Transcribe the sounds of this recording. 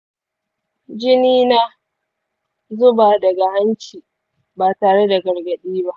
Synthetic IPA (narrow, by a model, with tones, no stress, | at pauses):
d͡ʒɪ˦niː˦na˦ | zʊ˦baː˨dɐ˨ɡa˨ha˦nt͡ʃiː˨ | baː˨taː˨ɽe˦da˨ɡɐ˨rɡɐ˨ɗiː˦ba˦ʔ